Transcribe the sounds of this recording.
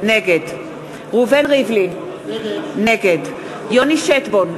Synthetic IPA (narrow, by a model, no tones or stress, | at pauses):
neɡed | ʁuvenʁivlin | neɡed | joniʃet̪bon